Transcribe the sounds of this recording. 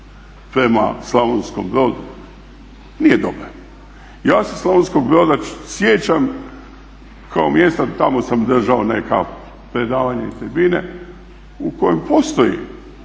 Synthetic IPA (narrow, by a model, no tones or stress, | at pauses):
pɾe̞ma̰slˠaʋonskombɾo̞ːd̪u | nijed̪obɾa | jaːseslˠaʋonsko̞ɡ̚bɾo̞ːd̪asjet͡ɕam | kʰaomjest̪at̪amo̞samd̪r̩ʒaone̞ka | pɾe̞d̪aːʋaɲait̪ebine | uko̞jempo̞st̪o̞jḭ